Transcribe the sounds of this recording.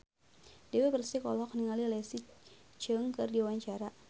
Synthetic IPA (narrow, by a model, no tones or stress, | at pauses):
dewepərsikɔlɔk̚niŋalilɛsit͡ʃəŋkɨrdiawaɲt͡ʃaɾa